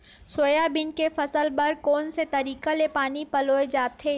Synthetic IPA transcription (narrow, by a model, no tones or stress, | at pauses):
soːjabɪnkefʰɐsəlbɐɾkoːnset̪ɐɾiːkalepaːnipɐloːed͡ʒaːt̪ɦeː